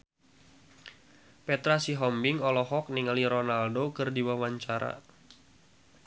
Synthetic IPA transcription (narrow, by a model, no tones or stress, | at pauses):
pɛt̪ɾasiɦɔmbɪŋɔlɔɦɔk̚niŋaliɾɔnaldokɨrdiwawaɲt͡ʃaɾa̰